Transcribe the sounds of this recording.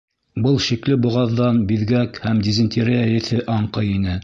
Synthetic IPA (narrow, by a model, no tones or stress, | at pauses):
bɤlˠʃiklɘbŭʁɑðːɑnbiðɡækhæmd̪ʲizɘ̆nʲt̪ʲiɾeæɘ̆θɘʔɑɴqɤjinɘ